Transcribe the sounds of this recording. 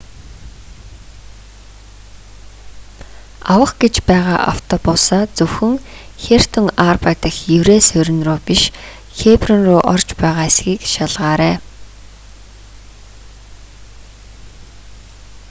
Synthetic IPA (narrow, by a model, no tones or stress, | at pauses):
awə̆χɡet͡ɕpæːʁaːʔa̰w̥t̪ʰɔpʊːsaːt͡sɵwxɵ̆ŋ | xer̥t̪ʰɵ̆ŋarpat̪ĭxjɵwɾeːsɵɾʲɪ̆nrʊːpiʃ | xeprɔ̆nrʊːʔɔrt͡ɕpæːʁaːesɡiːkʃaɮʁaːɾæː